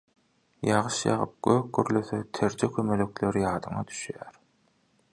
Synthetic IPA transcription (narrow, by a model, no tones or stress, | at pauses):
jɑʁɯʃjɑ̰ʁɯ̰p̚ɡ̥øːk̚ɡø̰ɾløθøt̪ʰeɾd͡ʒekʰømeløkleɾijɑːd̪ɯŋɑ̰d̪y̥ʃjæːɾ